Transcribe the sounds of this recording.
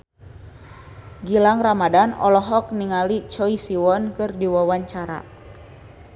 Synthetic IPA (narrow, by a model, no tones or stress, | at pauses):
ɡilaŋramadanɔ̰lɔɦɔk̚niŋalit͡ʃɔisiwɔnkɨrdiwawaɲt͡ʃaɾa̰